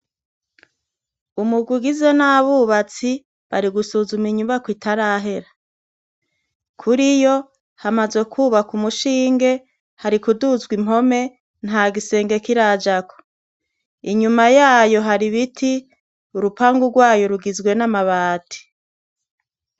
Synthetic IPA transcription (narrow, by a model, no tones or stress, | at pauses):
umuɡwiɡize̞naβuβat͡si | βaɾiɡusuːzumiɲuβakwitʰaɾaɦe̞ɾa | kʰuɾijo̞ | hamazwe̞kʰuβakumuʃiːŋɡe̞ | haɾikuduzɡwimo̞me̞ | n̥haːɡise̞ːŋɡe̞kiɾad͡ʒakʰo̥ | iɲumajaːjo̞ɦaɾiβitʰi | uɾupaŋɡuɡwaːjo̞ɾuɡizɡwe̞namaβaːtʰi̥